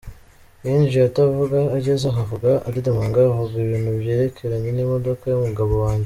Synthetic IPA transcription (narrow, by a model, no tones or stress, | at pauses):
jiːnʒijatavuɡaːɟezaɦavuɡaʔːdidamaŋɡaɦoɡɡiβiːnhubje̞ːɾe̞kʰe̞ɾaɲe̞nimo̞do̞kajumuɡaβo̞waːɲɟe